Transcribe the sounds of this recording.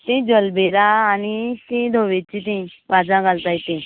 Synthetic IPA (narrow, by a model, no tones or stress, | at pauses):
t̪ĩd͡zəlbeɾaːniɕĩd̪ʱoʋet͡ɕĩt̪ĩʋad͡zãɡʱalt̪ajit̪ĩ